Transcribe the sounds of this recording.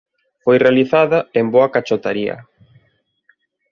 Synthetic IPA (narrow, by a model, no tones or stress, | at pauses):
fojrealiθaðɐemboakat͡ʃot̪aɾiɐ̰